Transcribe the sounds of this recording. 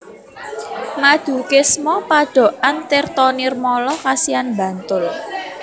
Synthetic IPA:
mad̪̥ṳkɪsmɔpaɖ̥ɔ̤ʔant̪ɪrt̪ɔnɪrmɔlɔkasianbä̤nt̪ʊl

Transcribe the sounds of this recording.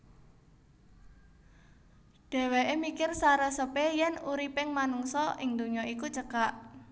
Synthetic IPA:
ɖ̥ɛ̤weʔemikɪrsaɾəsəpejɛnuɾipɪŋmanuŋsɔʔɪŋd̪uɲɔikut͡ʃəkaʔ

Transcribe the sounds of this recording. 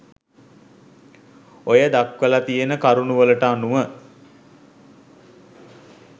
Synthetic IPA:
ojəd̪akʋəlat̪ijenəkaɾunuʋələʈanuʋə

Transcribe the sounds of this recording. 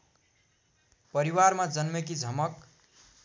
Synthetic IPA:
pʌɾiwarmad͡zʌnmʌk̬id͡zʱʌmʌk

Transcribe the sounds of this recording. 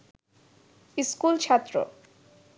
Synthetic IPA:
iskult͡ɕʰat̪ːɾo̰

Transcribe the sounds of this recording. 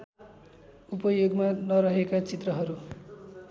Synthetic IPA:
upʌjoɡmanʌɾʌɦekat͡sit̪rʌɦʌɾu

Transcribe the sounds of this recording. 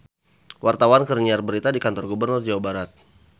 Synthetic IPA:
wʔart̪awankərniarbəɾit̪adikant̪ɔrɡubərnʊrd͡ʒawabaɾat̪̚

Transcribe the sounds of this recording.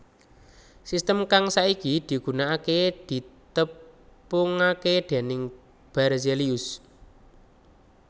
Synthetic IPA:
sist̪əmkaŋsaikid̪̥i̤ɡ̥ṳnaaked̪̥i̤t̪əpʊŋaked̪̥e̤nɪŋ | b̥arzeliʊs

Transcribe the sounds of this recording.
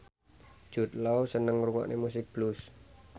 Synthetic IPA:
ʒ̥ṳt̪̚lawsənəŋruŋa̰ʔnʔemus̬ɪk̚b̥lus

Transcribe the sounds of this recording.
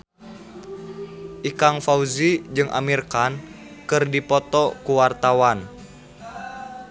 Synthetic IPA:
ʔikaŋfauzid͡ʒɨŋʔa̰mirkan | kɨrdipɔt̪ɔkuwart̪awan

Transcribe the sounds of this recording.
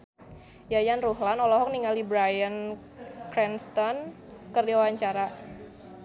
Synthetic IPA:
jajanruɦlanɔlɔɦɔk̚niŋalibɾajən | kɾɛnst̪ɔn | kərdiwawaɲt͡ʃaɾa

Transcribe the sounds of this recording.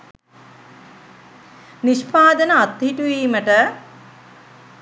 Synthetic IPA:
niʃpaːd̪ənəat̪ːɦiʈuʋiːməʈə

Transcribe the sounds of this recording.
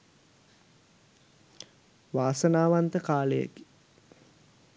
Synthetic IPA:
ʋaːsənaːʋant̪əkaːləjə̰ki̥

